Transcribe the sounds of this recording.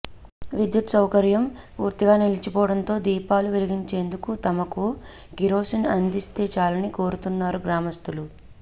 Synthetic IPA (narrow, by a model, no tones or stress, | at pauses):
ʋid̪jut̪sɐwkɐɾjɐm | puːɾt̪iɡaːnilit͡ʃipɔːɐɽɐnt̪o̞ːd̪iːpaːluʋeliɡiɲt͡ʃe̞ːnd̪ukut̪ɐmɐku | ɡiɾo̞ːsinɐnd̪ist̪eːt͡ʃaːlɐniko̞ːɾut̪unːaːɾuɡɾaːmɐst̪ulu